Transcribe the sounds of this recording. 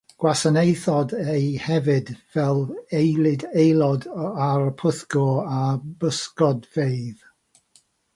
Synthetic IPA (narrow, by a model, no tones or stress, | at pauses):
ɡ̥wasənejθɔdejhɛvɪdvɛlˠejlˠɪdejlˠɔdaɾəpʰəθɡ̥ɔabəskɔdveɨð